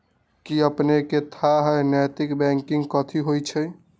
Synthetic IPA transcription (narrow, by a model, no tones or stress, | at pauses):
kiəpneket̪ʰaɦəjnɛjt̪ikbɛ̃ŋkiŋɡkət̪ʰiɦojt͡ʃʰə